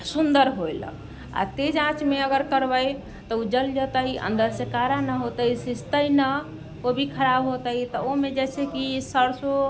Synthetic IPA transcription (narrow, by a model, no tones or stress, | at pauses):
sund̪əɾɦojl̰ | a̰t̪ed͡ʒãt͡ʃmeəɡəɾkəɾbəj | t̪ɔud͡ʒəld͡ʒət̪əiʔə̰nd̪əɾsekaɾanəɦot̪əisist̪əjnə | kobʱikʰəɾabɦot̪əit̪ɔomed͡ʒɛsekisəɾso